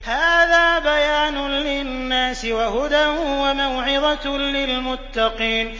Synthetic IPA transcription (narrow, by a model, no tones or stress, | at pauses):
haːðaːbajaːnʊlɪnːaːsɪwahʊd̪awamawʕɪðˤɑlɪlmʊt̪ːɑqiːn